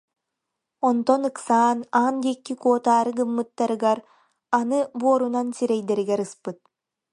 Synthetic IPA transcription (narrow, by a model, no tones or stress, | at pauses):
ɔnt̪ɔnɯksaːnaːnd̪ikːikuːt̪aːɾɯɡɯmːɯt̪ːaɾɯɡaɾ | anɯbuɔɾunansiɾɛjd̪ɛɾiɡɛɾɯspɯt̪̚